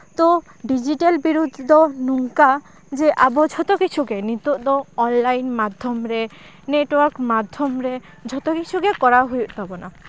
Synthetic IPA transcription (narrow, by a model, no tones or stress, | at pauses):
t̪o | ɖid͡ʒiʈelbiɾud̪ʱːɔnuŋka | d͡ʒeʔabod͡ʒʱɔt̪ɔkit͡ʃʰukenit̪uʔd̪ɔɔnlajnmad̪ʱːɔmɾe | neʈwaɾkmad̪ʱːɔmɾe | d͡ʒʱɔt̪ɔkit͡ʃʰukekɔɾaɦojut̪t̪abɔna̰